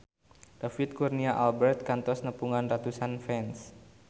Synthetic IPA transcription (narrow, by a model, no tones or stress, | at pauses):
d̥afɪt̪̚kurniaʔalbɛrt̪̚kant̪ɔsnəpuŋanrat̪usanfɛns